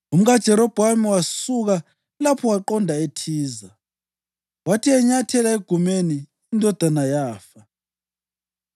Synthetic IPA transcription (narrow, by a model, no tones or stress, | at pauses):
um̩ɣad̥ʒ̥ʱɛɾɔb̥ʱwamiwasuɣa | lapʰɔwaǃɔndʱaetʰiːza | watʰiɛɲatʰɛlaeɡ̥ʱumeniː | ndʱɔd̥ʱanajaːfa